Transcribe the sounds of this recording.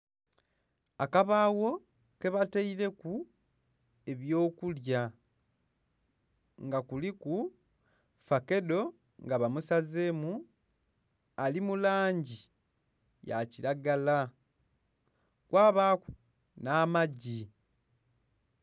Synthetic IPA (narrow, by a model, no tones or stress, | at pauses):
akaβaːwo̞ | ke̞βateiɾe̞ku | e̞βjo̞ːkulja | ŋɡakuliku | fake̞do̞ | ŋɡaβamusazeːmu | alimulaːɲɟi | ja̰ciɾaɡala | kwaːβaːku̥ | naːmaɟi